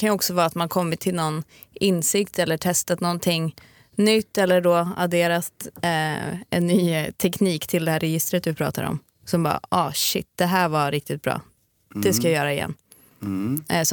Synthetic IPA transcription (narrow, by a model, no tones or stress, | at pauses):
kanjəɔksɔvɑːat̪mankʰɔmːɪt̪ʰːɪlnɔnː | ɪnːsɪkt̪ʰɛlːəʈʰɛst̪at̪nɔnt̪ʰɪŋː | nʏt̪ːɛlːəɖoːa̰d̪eːɾat̪ | ɛ̰nːyːt̪ʰɛkniːkt̪ʰɪld̪ɛhæːɾɛjɪst̪ɾət̪̚d̪ɵpʰɾɑ̰ːt̪a̰ɾɔ̰m | sɔmbɑ̰ːʔɑːɕɪt̪ːd̪̥ɛɦæːvaɾɪk̚t̪ɪt̪̚bɾɑ̰ː | d̪̥ɛskajajœːɾaɪjɛ̰nː | s